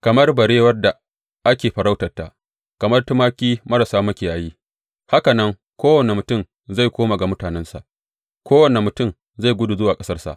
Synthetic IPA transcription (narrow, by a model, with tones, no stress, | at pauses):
kɐ˨mɐ˦rbɐ˨ɾeː˦wɐ˦rda˨ | ʔa˦kʲeː˨ɸɐ˨ɾa˦wtɐ˨rtːa˨ | kɐ˨mɐ˦rtʊ˦maː˦kʲiː˦mɐ˦ɾa˨saː˦mɐ˦kʲeː˨ʔa˨ji˦ | ha˦ka˨nɐ˦ŋ | kʷoː˦wɐ˨ne˨mʊ˨tʊ˦˨m | za˦˨jkʷoː˦ma˨ɡa˨mʊ˦taː˨nɛ˦nsa̰˨ʔ | kʷoː˦wɐ˨ne˨mʊ˨tʊ˦˨m | za˦˨jɡʷʊ˦du˨zʊ˦waː˨kʼɐ˦sɐ˦rsa̰˨ʔ